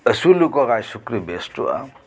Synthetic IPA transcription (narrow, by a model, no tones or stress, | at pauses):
əsulukɔɣajsukɾibesʈṵa̰